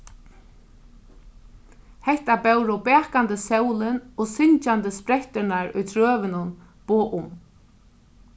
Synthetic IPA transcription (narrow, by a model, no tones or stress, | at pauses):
hɛht̪abɛwɾʊbɛːkant̪əsɛwlɪnɔɣsɪɲt͡ʃant̪əspɾɛht̪ɪnaɹʊ̰jt̪ʰɾœːʋɪnʊn | b̥oːʔʊm